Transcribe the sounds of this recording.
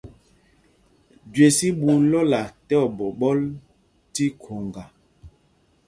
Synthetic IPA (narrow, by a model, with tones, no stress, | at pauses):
ɟwe˨si˦ɓu˨lɔ˦la˨tɛ˦ɔ˨bɔ˨ɓɔ˦l | ti˦kʰo˨ŋɡa˨